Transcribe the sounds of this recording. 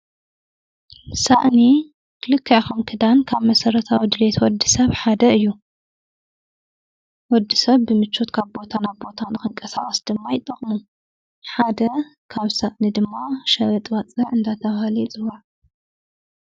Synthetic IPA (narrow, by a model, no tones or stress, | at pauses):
saʔni | kʰɨlɨkʰːaʕkomkʰɨd̪ankʰaβmɐsɐɾɐt̪ʰawid̪ɨlet̪ʰwɔd̪ːɨsɐβħad̪ɐɨjːu | wɔd̪ːɨsɐβːɨmɨt͡ʃːot̪kʰaβbo̞t̪ʰanaβbo̞t̪ʰanɨxɨŋkʼɐsa̰χʼɐsd̪̥ɨmːajɪt̪ʼːɐχʼmu | ħad̪ɐkʰaβsaʔnid̪ɨmːaʃɐβɐt̪ʼwat͡sʼɐʕɨnd̪at̪ʰɐβahlit͡sʼɨwaʕ